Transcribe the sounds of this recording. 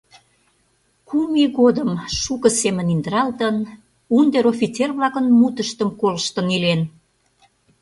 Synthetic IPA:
kumiɣod̪əmʃukə̆semə̆nind̪əɾɑlt̪ən | und̪eɾofʲit͡serβlɑkənmut̪əʃt̪əmkoləʃt̪ənilen

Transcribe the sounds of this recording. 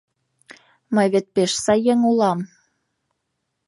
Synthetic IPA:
məjβet̪̚peʃsɑjeŋulɑm

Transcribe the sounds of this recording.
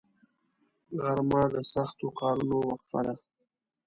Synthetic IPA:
ɣaɾmɑd̪əsaxt̪okɑːɾunowaxfa̰d̪a

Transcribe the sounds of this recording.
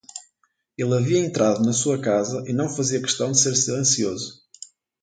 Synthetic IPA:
elˠɐviɐẽnt̪ɾaðunɐsuɐkazɐʔinɐ̃w̃fɐziɐkɨ̥ʃt̪ɐ̃w̃d̪ɨseɾsilˠẽsiozu

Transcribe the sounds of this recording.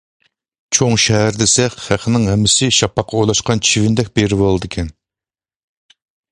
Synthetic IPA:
t͡ʃʰoŋʃɛɦæɾd̪esɛχʲχæχʰənɪŋɦɛmːɪsɪʃɑpʰːɑqʰːɑulˠɑʃqɑnt͡ʃʰivɪnd̪ɛk̚ʲbeɾɪbolˠɨd̪ɪkʲʰɛn

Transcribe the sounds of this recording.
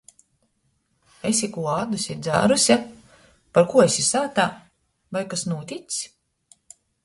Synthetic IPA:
esʲikuɔaːd̪usʲid̪za̰ːɾusʲa | paɾkuɔesʲisaːt̪aː | vajkasnuːt̪ʲit̪sʲ

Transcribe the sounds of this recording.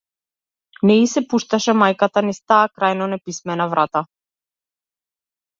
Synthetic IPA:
nɛisɛpuʃt̪aʃɛmajkat̪anist̪aːkɾajnɔnɛpismɛnavɾʔat̪a

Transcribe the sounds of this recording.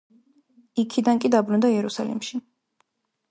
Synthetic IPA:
ikʰid̪ankʼid̪abɾund̪aiɛɾusa̰lḭmʃi

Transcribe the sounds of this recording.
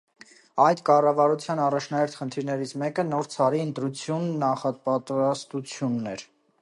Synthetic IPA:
ɑjd̪kɑrɑvɑɾut͡sʰjɑnɑrɑt͡ʃʰnɑɛɾt̪χənt̪ʰiɾnɛɾit͡sʰmɛkənɔɾt͡sʰɑɾiənt̪ɾut͡sʰjunːɑχɑpɑt̪uɾɑst̪ut͡sʰjunːɛɾ

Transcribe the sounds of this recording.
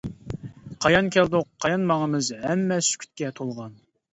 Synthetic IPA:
qʰɑjɑnkʲʰæld̪ʊqʰːɑjɑnmɑŋəmɨzɛmːɛsy̥kʲʰy̥t̪kʲɛt̪ʰolˠʁɑn

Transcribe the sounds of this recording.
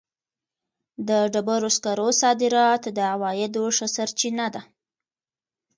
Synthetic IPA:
d̪əɖabaɾoskaɾosɑd̪ɪɾɑt̪d̪əawɑjɪd̪oʂəsaɾt͡ʃinad̪a

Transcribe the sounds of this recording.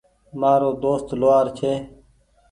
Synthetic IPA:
maːɾoːd̪oːst̪loaːɾt͡ɕʰeː

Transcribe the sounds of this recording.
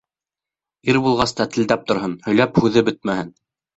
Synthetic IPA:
iɾbulˠʁɑst̪ɑt̪ɘ̆ld̪æp̚t̪ŏɾɦɤnhɵ̆jlæphʉðɘbɘt̪̚mæhɘn

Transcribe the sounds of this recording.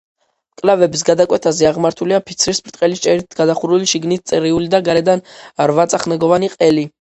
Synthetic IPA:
kʼlavɛbisɡad̪akʼwɛt̪ʰazɛaʁmaɾt̪ʰuliapʰit̪sʰɾismɾt̪ʼqʼɛlist͡ʃʼɛɾit̪ʰɡad̪aχuɾuliʃiɡnit̪̚ʰt̪sʼɛɾiulid̪aɡaɾɛd̪anɾvat̪sʼaχnɛɡɔvaniqʼɛli

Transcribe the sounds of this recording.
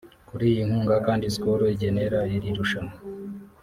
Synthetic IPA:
kuɾiːjiŋ̥huːŋɡakaːndiskoɾoiɟe̞ne̞ɾaiɾiɾuʃana

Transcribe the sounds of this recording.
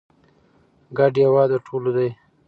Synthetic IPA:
ɡaɖjawɑːd̪aʈʰolod̪aj

